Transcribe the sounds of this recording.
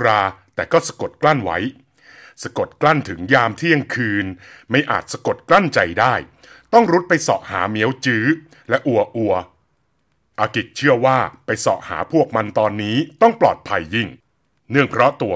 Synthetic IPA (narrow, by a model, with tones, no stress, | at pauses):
ɾaː˧t̪ɛː˨˩kɔː˥˩sa˧ko˨˩t̪̚kla˥˩nwa̰˦˥j | sa˧ko˨˩t̪̚kla˥˩nt̪ʰɯ˩˦ŋjaː˧mt̪ʰiː˥˩əŋkʰɯː˧nma˥˩jʔa̰ː˨˩t̪̚sa˧ko˨˩t̪̚kla˥˩nt͡ɕa˧jdaː˥˩j | t̪ɔ˥˩ŋɾu˦˥t̪̚pa˧jsɔ̰ː˨˩ʔ̚ha̰ː˩˦mi˦˥əwt͡ɕɯː˦˥ | lɛ˦˥ʔu˨˩ɐʔu˨˩ɐ | ʔaː˧ki˨˩k̚t͡ɕʰɯ˥˩ɐwaː˥˩pa˧jsɔ̰ː˨˩ʔ̚ha̰ː˩˦pʰu˥˩ək̚ma˧nt̪ɔː˧nːiː˦˥t̪ɔ˥˩ŋplɔː˨˩t̪̚pʰa˧jːi˥˩ŋ | nɯ˥˩əŋpʰɾɔ˦˥t̪u˧ɐ